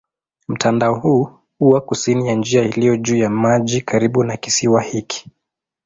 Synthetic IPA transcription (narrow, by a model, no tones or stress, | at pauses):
m̩tʰandaɔhuː | uwakusinijand͡ʒiailijɔʄuːjamaʄikaɾiɓunaki̥siwahiki̥